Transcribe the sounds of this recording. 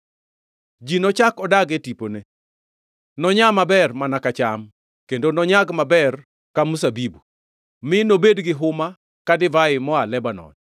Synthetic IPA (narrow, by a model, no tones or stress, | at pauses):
d͡ʒinɔt͡ʃakɔdaɡetipone | nɔɲamabɛrmanakat͡ʃam | kendonɔɲaɡmabɛr | kamusabibu | mɪnobedɡɪɦʊma | kadɪvaɪmɔalɛbanɔ̰n